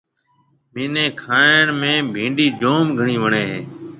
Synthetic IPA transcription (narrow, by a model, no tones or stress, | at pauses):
miːnẽːkʰaːɳmẽːbʱĩːɳɖiːd͡ʒoːmɡʱəɳiːʋəɳeːɦeː